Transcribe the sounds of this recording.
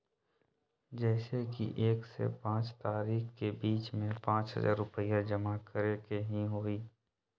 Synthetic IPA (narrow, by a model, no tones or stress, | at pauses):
d͡ʒɛːsekḭʔeːksḛpãːt͡ʃt̪aːɾiːxkebiːt͡ʃmẽpãːt͡ʃɦə̰za̰ːɾʊpəjad͡ʒəmakəɾekeɦĩɦoːiː